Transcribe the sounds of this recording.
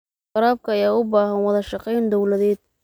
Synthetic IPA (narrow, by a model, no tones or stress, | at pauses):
ɑɾaːb̚kʰɐːjaːʊbaːhɐnwɐðɐʃɑqɛjnd̪ɔwlɐðɛːd̪̥̚